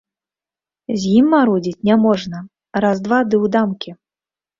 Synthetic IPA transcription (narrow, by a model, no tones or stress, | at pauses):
zʲjimːaɾɔd͡zʲit͡sʲnʲamɔʐnɐ | ɾazd̪vad̪ɨwd̪amkʲi